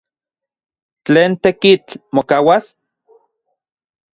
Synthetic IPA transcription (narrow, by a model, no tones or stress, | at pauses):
t͡ɬeːnt̪ekit͡ɬmokaːwas